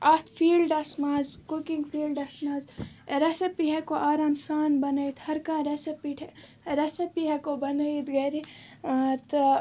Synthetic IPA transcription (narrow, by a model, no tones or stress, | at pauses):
ɐt̪ʰfʰiːlɖɐsmaːzkukiŋɡpʰiːlɖɐsmaːzɾesipiɦɛkoʔaːɾaːmsaːnbɐnɐit̪ʰhɐɾkãːɾesipiʈʰ | ɾesipiɦɛkobɐnəid̪ɡɐɾi | t̪